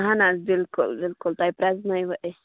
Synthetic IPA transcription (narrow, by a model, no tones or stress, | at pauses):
ɦanazbɪlkʊ̰lbɪlkʊlt̪aipɾɛznajʋəʔe